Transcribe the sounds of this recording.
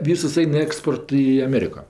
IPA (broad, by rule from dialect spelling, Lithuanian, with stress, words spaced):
ˈʋʲiːsʊs ˈɐɪn ˈæːkspoːrt ɪ ɐˈmʲeːrʲɪkoː